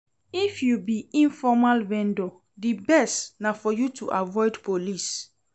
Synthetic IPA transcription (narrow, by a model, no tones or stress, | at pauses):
ifjubiĩnfɔmalvɛ̃ndo | dibɛstnafɔjutʰuʔavɔɪdpolis